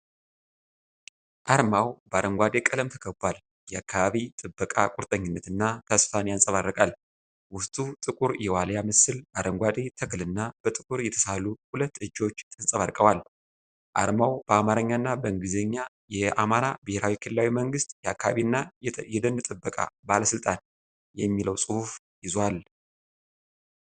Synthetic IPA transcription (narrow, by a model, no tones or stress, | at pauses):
ʔaɾmawbəaɾəŋɡʷad̪e̞kʼələmt̪ʰə̥kʰəbal | jɛakʰːaβaβit̪ʼɨbːəkʼakʷʼuɾt̪ʼəɲːɪnːət̪ɨnːat̪ʰasfanejansʼəβarːəkʼal | wʊst̪ʰʼut̪ʼɨkʼuɾjɛwaljamɨsɨlbaɾəŋɡʷad̪e̞t̪ʰəkʰlɨnːab̥ət̪ʼɨkʼuɾjɛt̪ʰə̥salːuhulət̪ːɨd͡ʒːo̞t͡ʃːt̪ʰʼɨnsʼəβaɾkʼəwal | ʔa̰ɾmawb̥əamaɾəɲːanːabəɨŋɡɨzəɲːa | jɛamaɾabəheɾawikʰɨlɨlːawiməŋɡɨst̪ʼjɛakːaaβinːajɛd̪ənːɨt̪ʼɨbːəkʼa̰baləsɨlt̪ʼan | jɛmːiləwsʼɨhuf | jɪzwal